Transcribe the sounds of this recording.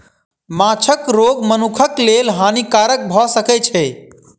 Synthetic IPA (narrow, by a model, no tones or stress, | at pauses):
mãːt͡ʃʰəkɾoːɡmənukʰəkleːlɦaːnikaːɾək̚bʱɔsəkɛt͡ʃʰɛ